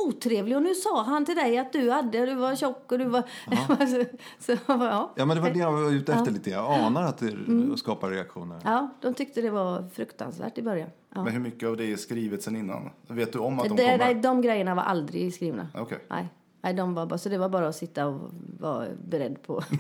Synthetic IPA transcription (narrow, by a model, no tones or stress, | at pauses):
uːt̪ʰɾeːvlɪɡɔnʉ̟ːsɑːɦant̪ɪld̪ɛjat̪̚d̪ɵhad̪ːəd̪ɵvaɾɕɔkːɔd̪ɵvaɾasɔ | sɔɑːjɑːmɛnd̪ɛvaɖɛaʉ̟ːt̪ɛft̪əɭiːt̪əjɑɑːnaɾat̪̚d̪ɛskɑːpaɾɛa̰kɧṵːnə̰ɾɑːd̪̥ɔmt̪ʰʏk̚t̪əd̪ɛvaɾfɾɵkt̪a̰nsvæ̰ːʈɪbœɾja̰nʔɑːmɛnhɵɾmʏkːəavd̪ɛskɾiːvɪt̪sɛnɪnːa̰nveːt̪̚d̪ɵɔmːat̪ɔd̪ɛnɛjd̪ɔmɡɾɛjːəɳava̰ɾʔa̰ld̪ɾɪ̰ɡskɾiːvnʔa̰ɔkʰɛ̰jnʔɛ̰ɪ | næɪd̪ɔmvabsɔd̪ɛvaɾbɑːɾaɔsɪt̪ːaɔvɑ̰ːbɛɾɛd̪ːpʰɔ̰